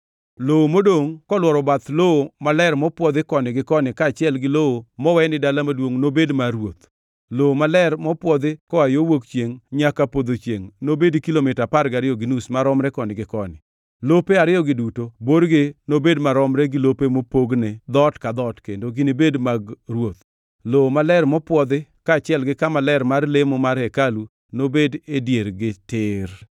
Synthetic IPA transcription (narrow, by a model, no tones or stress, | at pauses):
lowomodoŋkɔlwɔɾɔbat̪lowomalɛrmɔpwɔd̪ɪkɔnɪɡɪkɔnɪkat͡ʃɪɛlɡɪlowomɔwɛnɪdalamadwoŋnobedmaɾwot̪ | lowomalɛrmɔpwɔd̪ɪkɔajowokt͡ʃjeŋɲakapod̪ot͡ʃjḛŋnobedkilomɪtapaɾɡaɾɪjɔɡɪnusmaɾɔmɾɛkɔnɪɡɪkɔ̰nɪ̰ | lopeaɾɪɔɡɪdutoboɾɡɪnobedmaɾɔmɾɛɡɪlopemopoɡned̪ɔtkad̪ɔtkendoɡɪnibedmaɡɾwot̪̚ | lomalɛrmɔpwɔd̪ɪkaːt͡ʃɪɛlɡɪkamalɛɾmarlemomaɾhekalu | nobededjeɾɡɪtɪɾ